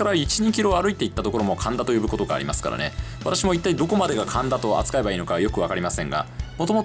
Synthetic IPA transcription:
aɾait͡ɕiɲ̟ikʲiɾo̞aɾɯ̟it̪e̞it̪ːat̪oko̞ɾo̞mo̞kʰãnd̪at̪o̞jo̞bɯko̞t̪o̞ɡa̰ːɾimasɨ̥ka̰ɾa̰ne̞̰βat̪aɕimoit̪ːaid̪o̞ko̞mad̪e̞ɡakʰãnd̪at̪o̞a̰t͡sɨ̥kae̞baiːnokajo̞kɯ̟βakaɾʲimasẽ̞ŋɡa̰mot̪o̞mot

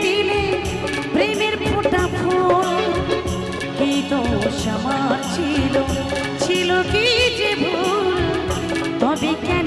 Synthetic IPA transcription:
ile | pɾemeɾpot̪apʰol | kit̪oʃamaɾt͡ɕʰilo | t͡ɕʰilokid͡ʒebʱul | t̪ɔbikɛn

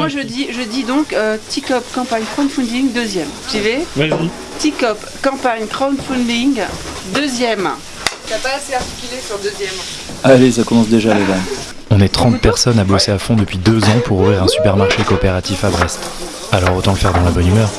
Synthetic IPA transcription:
mwaʒəd̪iʒəd̪id̪ɔ̃køt̪ikɔpkɑ̃paɲkχɔnfɔ̃nd̪iŋd̪øzjɛmt̪ive | t̪ikɔp | kɑ̃paɲkχawnfɔ̃d̪iŋ | d̪øzjɛm | kʲapaːseaʁt̪i̥kʲylesɔʁd̪əzjɛm | alesakɔmɑ̃sd̪eʒalevan | ɔ̃nɛt̪χɑ̃t̪̚pɛʁsɔnabɔseafɔ̃d̪əpɥid̪øzɑ̃pʰuʁuvʁiʁɛ̃sy̥pɛʁmaʁʃekoːpeʁat̪ifabʁɛst̪ | alɔʁot̪ɑ̃d̪əfɛʁd̪ɑ̃labɔnymœːʁ

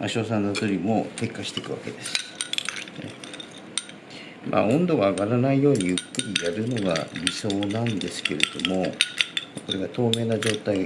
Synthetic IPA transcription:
a̰ɕo̞ːsãnːot̪oɾʲimoke̞kːaɕi̥t̪e̞kɯ̟βa̰ke̞d̪e̞sɨ̥ | mʔa̰õ̞nd̪o̞ɡaːɡaɾanaijo̞ːɲ̟ijɯkːɯ̟ɾʲijaɾɯ̟no̞ɡa̰ɾʲiso̞ːnãnd̪e̞sɨ̥ke̞ɾe̞d̪̥o̞mo̞mako̞ɾe̞ɡat̪o̞ːme̞ːnaʑo̞ːt̪ai

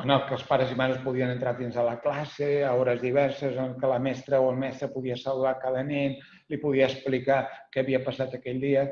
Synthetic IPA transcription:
ənəlˠkəlˠspaɾəzimaðəspuðiənənt̪ɾaðinzələklaseəɔɾəzðiβɛɾsəzənəlˠkələmɛst̪ɾəoəlˠmɛst̪ɾəpuðiəsəluðakalənɛn | lipuðiəsplikakɛəβiəpəsat̪əkɛʎd̪iə

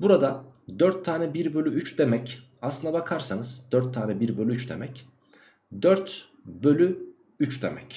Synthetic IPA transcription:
buɾad̪ad̪œɾt̪ʰːaːnɛbiɾbølʲyyt͡ʃd̪e̞mɛc | aslˠɯnd̪abakʰaɾsanɯz̥d̪̥œɾt̪ʰːaːnɛbiɾbølʲyyt͡ʃd̪e̞̰mɛc | d̪œɾt̪ | bølʲy | yt͡ʃd̪ḛmɛc

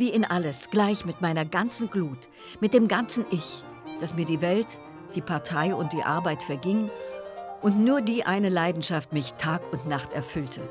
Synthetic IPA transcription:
viːɪnʔaləsɡ̥laɪçmɪtmaɪnɐɡant͡sn̩ɡluːt | mɪt̚d̥eːmɡant͡sn̩ʔɪç | d̥asmiːɐdiːvɛlt | d̥iːpʰaɐtʰaɪʊnt̚d̥iːʔa̰ɐbaɪtfɛɐɡɪŋənʔʊntnuːɐdiːʔa̰ɪnəlaɪdn̩ʃaftmɪçtʰaːkʊntnaχtɛɐfʏltʰə

